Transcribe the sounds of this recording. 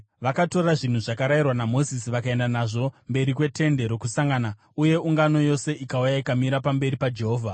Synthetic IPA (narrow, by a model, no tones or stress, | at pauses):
ʋakato̞raʐin̤uʐakaɾairwanamo̞zisiʋakae̞ndanaʐo̞mbe̞ɾikwe̞te̞nde̞ɾo̞kusaŋɡana | uje̞uŋɡano̞jo̞se̞ikaujaikamiɾapambe̞ɾipad͡ʒe̞ɦoːvʱa